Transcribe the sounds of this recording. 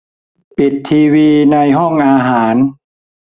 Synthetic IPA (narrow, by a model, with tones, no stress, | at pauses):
pi˨˩t̪ʰːiː˧wiː˧na˧jɦɔ˥˩ŋʔaː˧ɦaː˩˦n